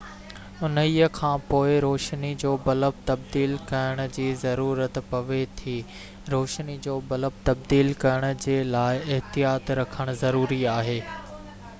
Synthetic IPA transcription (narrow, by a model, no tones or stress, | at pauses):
ʊnəiəkʰãːpoːɪɾoːʃnid͡ʑoːbɐləb̚t̪ɐb̚d̪iːlkɐɾəɽ̃ʊ̆d͡ʑiːzɐɾuːɾət̪pɐʋet̪ʰiː | ɾoːʃnid͡ʑoːbɐləb̚t̪ɐb̚d̪iːlkɐɾəɽ̃ʊ̆d͡ʑeːlaːɪɪɦt̪ijaːt̪ɾɐkʰəɽ̃ʊzɐɾuːɾiaːɦeː